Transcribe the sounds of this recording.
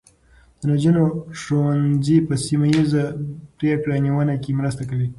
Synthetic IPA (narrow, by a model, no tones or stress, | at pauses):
d̪̥ənad͡ʒənoʂowanzipəsimajizapɾekɽaniwənakemɾəst̪akəli